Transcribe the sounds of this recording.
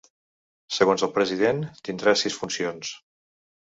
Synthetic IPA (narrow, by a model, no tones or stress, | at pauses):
səɣonzəlˠpɾəziðent̪ind̪ɾasisfunsions